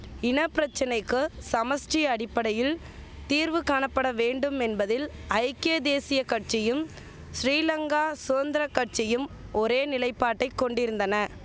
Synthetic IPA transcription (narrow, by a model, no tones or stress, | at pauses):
ɪnɐpːɪɾɐt͡ʃːɐnɐɪkːɯsɐmɐsʈijɐɐɽɪpːɐɽɐjɪl | t̪iːɾʋɯkaːɳɐpːɐɽɐʋeːɳɖɯmɛnbɐðɪlɐɪkːeːd̪eːsɪjɐkɐʈ̚t͡ʃɪjɯm | sɾiːlɐŋɡaːsʊɐnd̪ɪɾɐkːɐʈ̚t͡ʃɪjɯmɔɾeːnɪlɐɪpːaːʈːɐɪkːɔɳɖɪɾɯnd̪ɐnɐ